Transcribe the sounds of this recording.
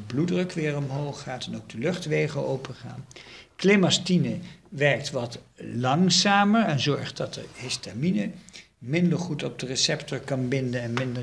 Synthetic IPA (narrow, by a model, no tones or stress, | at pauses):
bludrəkʋɪːɹɔmɦowχːaːtɛnowɡ̚dəlɵχtʋejχəlowpəχa̰ːnklemɑstinəʋɛɹk̚tʋɑtlɑŋsaːməɹɛnzɔɹχdɑtə̰ɹhɪstaminə | mɪndəɹχutɔb̚dərəsɛptɔɹkɑnbɪndənɛnmɪndə